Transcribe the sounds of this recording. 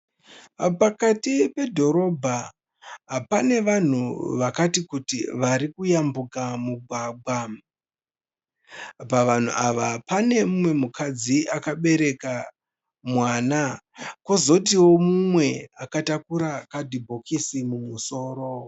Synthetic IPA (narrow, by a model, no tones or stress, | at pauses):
pakatipe̞dʱo̞ɾo̞bʱa | ɦapane̞ʋan̤ṵʋakatikutḭʋaɾikujambukamuɡʱwaːɡ͡bʱwa | paʋan̤ṵʔaʋapane̞mumwe̞mukʰad͡ziʔakaɓe̞ɾe̞ka | mwaːnakozo̞t̬iwo̞mumwe̞akatakuɾakadibʱo̞kisimumuso̞ːɾo̞